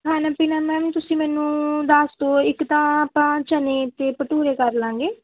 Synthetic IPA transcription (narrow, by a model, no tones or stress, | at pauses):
ɦãːnaːpinãːmãːʋɪt̪ʊsĩːmɛːnũːd̪aːst̪oːɪkt̪ãːpãːt͡ʃəneːt̪eːpəʈuːɾeːkəɾlãːɡeː